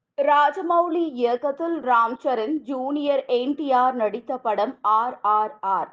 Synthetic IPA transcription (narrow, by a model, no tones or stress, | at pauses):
ɾaːd͡ʒɐmɐwliɪɐkːɐt̪ːɪlɾaːmt͡ʃɐɾɪnd͡ʒuːnɪjɐɾeɳʈɪjaːɾnɐɽɪt̪ːɐpːɐɽɐmaːɾaːɾaːɾ